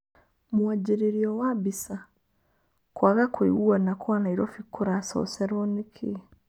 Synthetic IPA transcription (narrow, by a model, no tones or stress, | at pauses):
muaɟiɾeɾiɔwabisa | kwaɣakwḭɣuanakwanaiɾofikːuɾasɔ̰seɾonikʰi